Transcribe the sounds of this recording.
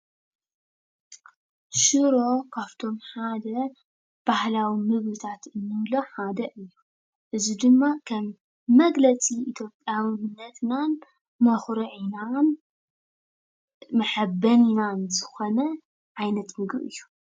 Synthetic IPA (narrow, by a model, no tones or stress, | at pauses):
ʃɨɾo̞kʰaβt̪ʰo̞mħad̪ɐ | b̥ahlawimɨβlɨt̪ʰat̪ɨnːɨβlo̞ħad̪ɐʔɨjːu | ʔɨzid̪ɨmːakʰɐmː | ɐɡlɐt͡sʼiʔit̪ʰjo̞pʼːjawɨnɨnːɐt̪nan | mɐxɾɨʕinan | mɐħɐbːɐninanzɨxo̞nɐ | ʕajnɐt̪mɨɡɾʔɨ̰jːu